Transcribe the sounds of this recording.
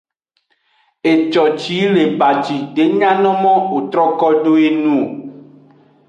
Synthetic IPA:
e˨t͡ʃɔ˨t͡ʃi˨˦le˨ba˨d͡ʒi˨ɖe˨˦ɲã˦nɔ̃˦mɔ̃˦o˨t̪ɾɔ˦kɔ˦ɖo˦e˦nũ˦o˨

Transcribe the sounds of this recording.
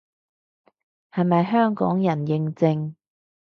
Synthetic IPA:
hɐ˨jmɐ˨jɦœː˥ŋkɔ̰ː˨˥ŋjɐ˨˩njɪ˨˧ŋt͡sɪ˧ŋ

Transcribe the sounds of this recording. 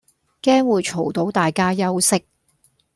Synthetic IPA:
kɛː˥ŋwuː˨˧jt͡ʃʰo˨˩wt̪o˨˥wt̪aː˨jkaː˥jɐ˥wsɪ˥k̚

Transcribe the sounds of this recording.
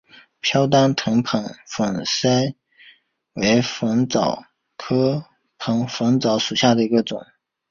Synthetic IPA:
pʰjɑ˥ʊt̪̬ɑ˥ŋt̪ʰɤ˧˥ŋpʰɤ˧˥ŋfə˨˩ŋsa˥ɪ | we˧˥ɪfə˧˥ŋt͡sɑ˨˩ʊ | kʰɤ˥ | pʰɤ˧˥ŋfə˧˥ŋt͡sɑ˧˥ʊʂu˨˩ɕja˥˩d̪ə˩i˧˥ɡə˧t͡sʊ˨˩˦

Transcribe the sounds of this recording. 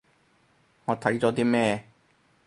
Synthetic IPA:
ŋɔː˨˧t̪ʰɐ˨˥jt͡sɔː˨˥t̪iː˥mɛː˥

